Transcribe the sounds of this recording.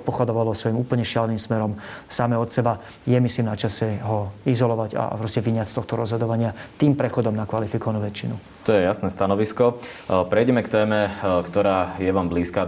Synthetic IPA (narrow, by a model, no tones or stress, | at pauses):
t̪̚pɔxad̪ɔʋalɔsʋɔjimuːpl̩ɲɛʃɪalnimsmɛɾɔmsamɛɔt̪sɛba | jɛmisliːmnat͡ʃasɛɦɔizɔlɔʋaɟa̰pɾɔscɛʋiɲat͡st̪ɔxt̪ɔɾɔzɦɔd̪ɔʋaɲɪat̪iːmpɾɛxɔd̪ɔmnakʋalifikɔʋanuːʋɛt͡ʃːinu | t̪ɔjɛjasnɛst̪anɔʋiskɔpɾɛjɟɛmɛkt̪ɛːmɛkt̪ɔɾaːjɛʋaːmbliːskaː